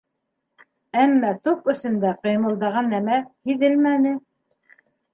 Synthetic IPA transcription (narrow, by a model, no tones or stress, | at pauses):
æmːæt̪upɵ̆sɵ̆nd̪æqɤ̆jmɤ̆lˠd̪ɑʁɑnːæmæhiðɘlmænɘ